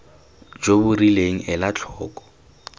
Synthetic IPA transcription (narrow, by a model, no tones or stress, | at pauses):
d͡ʒobʊrileŋ̩ʔɛlat͡ɬʰɔːkɔ̥